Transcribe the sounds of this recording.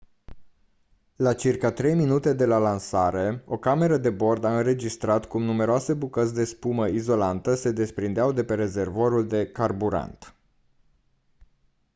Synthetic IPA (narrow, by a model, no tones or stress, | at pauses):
lat͡ʃirkat̪ɾe̞jminut̪e̞d̪e̞lalansaɾe̞o̞kame̞ɾəd̪e̞bo̞rd̪aɨnɾe̞d͡ʒist̪ɾat̪kumnume̞ɾoase̞bukətz̬ʲd̪e̞spuməizo̞lant̪əse̞d̪e̞spɾind̪eawd̪e̞pe̞ɾe̞ze̞rvoɾuld̪e̞karbuɾa̰nt̪